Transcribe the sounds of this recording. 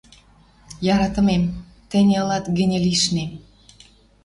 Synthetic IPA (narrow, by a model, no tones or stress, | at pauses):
jɑɾɑt̪ə̆mem | t̪ə̆nʲeəlɑt̪ɡə̆nʲeliʃnem